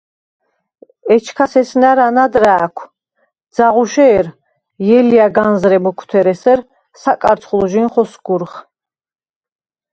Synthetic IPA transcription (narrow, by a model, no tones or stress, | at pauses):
ɛt͡ʃʰkʰasɛsnaɾanad̪ɾaːkʷʰ | d̪z̥aʁuʃɛːɾ | jɛliaɡanzɾɛmɔkʰt̪ʰɛɾɛsɛɾ | sakʼaɾt̪sʰχlˠɔʒinχɔsɡ̥uɾχ